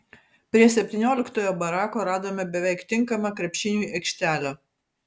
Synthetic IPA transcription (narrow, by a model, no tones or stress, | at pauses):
pʲɾʲiɛsʲɛpʲt̪ʲɪnʲoːlʲɪkt̪oːjoːbɐɾɑːkoːɾɑːd̪oːmʲɛbʲɛʋʲɛɪkt̪ʲɪŋˑkɐmɐkɾʲɛpʲʃʲɪnʲuːʔɛkʃʲt̪ʲæːlʲoː